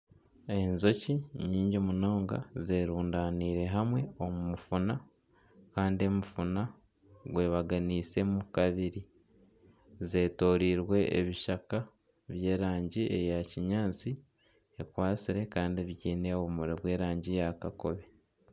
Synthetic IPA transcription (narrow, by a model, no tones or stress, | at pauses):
e̞nzo̞ciɲiːɲɟimuno̞ːŋɡa̰ze̞ːɾuːndaːniːɾe̞ɦamwe̞o̞mumufuna | kaːndie̞mufuna | ɡwe̞ːβaɡaniːse̞mukaβiɾi | ze̞ːto̞ːɾiːɾwe̞ʔḛβiʃaka | βje̞ːɾaːɲɟiḛjaciɲaːt͡si | e̞kwaːt͡siɾe̞kaːndieβiɟeːneoβumuɾeβwe̞ːɾaːɲɟijakako̞βe̞